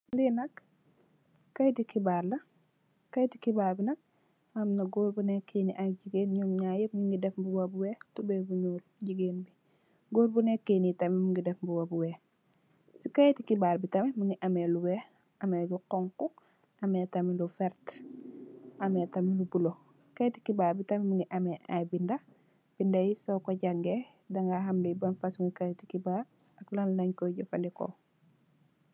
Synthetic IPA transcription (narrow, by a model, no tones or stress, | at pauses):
linɐk | kːɐjtikibaːɾlɐ | kːɐjtikibaːɾbinɐk̚ | ɐmnɐɡoːɾbunɛkːeniʔaɟiɡeːnɲɔmɲajimiŋɡidɛfbuwɐbuwɛtubɛbuɲuːlɟiɡeːnbi | ɡoːɾbunɛkːenitɐmɛmuŋɡidɛfbuwɐbuwɛː | sikɐjtikibaɾbitɐmɛmiŋiʔɐmɛluwɛ | ɐmeluqɔŋku | ɐmetamilufɛɾt | ʔɐmetamilubulo | kajtikibaːɾbitɐmimuŋɡiʔameʔa̰binda | b̥indɐjisokoɟaŋɡe | daŋɡaɦamlibɐnfasuŋɡikajti̥kibaɾ | ɐklannɐɲkoɟofɐndiko̰